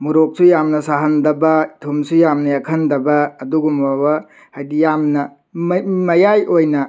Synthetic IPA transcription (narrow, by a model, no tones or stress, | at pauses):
muɾok̚sʰujamnɐsaɦɐndɐbɐtʰomsujamnɐjakʰɐndɐbɐːduɡumawɐ | hajdijamnɐ | mɐjajʔojnɐ